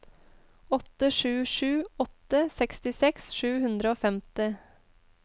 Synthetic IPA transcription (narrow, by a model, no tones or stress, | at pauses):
ɔt̪əʂʉːʂʉːɔt̪əsɛkst̪ɪsɛksʃʉːhʉnd̪ɾəoːfɛmt̪ɪ